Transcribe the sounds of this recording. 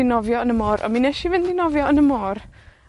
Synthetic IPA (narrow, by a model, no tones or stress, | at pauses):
ɪnɔvjɔənəmɔːɾʔɔ̰minɛʃivɪndɪnɔvjɔənəmɔːr